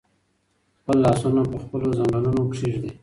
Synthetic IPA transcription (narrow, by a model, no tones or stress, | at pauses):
xpəlːɑsunapəxpəlozaŋɡalunokʂiʐd̪e